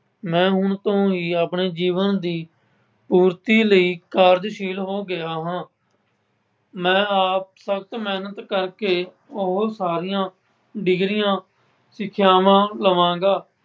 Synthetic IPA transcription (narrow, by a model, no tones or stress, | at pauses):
mɛ̃ːɦʊɳt̪õːiːaːpɳeːd͡ʒiːʋənd̪iː | puːɾt̪iːləiːkaːɾd͡ʒʃiːlɦoːɡɪaːɦãː | mɛ̃ːaːp̚səkt̪mɛːnət̪kəɾkeː | ʊɦsaːɾɪjãː | ɖɪɡɾɪjãː | sɪkʰjaːʋãːləʋãːɡaː